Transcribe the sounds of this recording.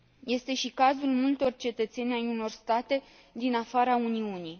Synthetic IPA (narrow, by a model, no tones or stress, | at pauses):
je̞st̪e̞ʃikazulmult̪o̞rt͡ʃe̞t̪ət̪se̞nʲajuno̞rst̪at̪e̞ | d̪inafaɾauniuni